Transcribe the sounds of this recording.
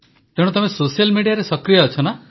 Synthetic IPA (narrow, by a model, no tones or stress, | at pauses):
t̪eɽ̃ut̪ɔmesosijalmiɽijaɾesɔkɾijɔːt͡ʃʰɔna